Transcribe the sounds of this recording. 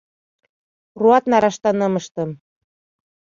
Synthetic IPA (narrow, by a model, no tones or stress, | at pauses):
ruɑt̪nɑɾɑʃt̪ɑnɤ̆mɤ̆ʃt̪ɤ̆m